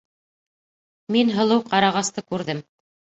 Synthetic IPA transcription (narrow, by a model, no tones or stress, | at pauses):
minɦɤ̆lˠɤwqɑɾɑʁɑst̪ɤkʉɾðɘm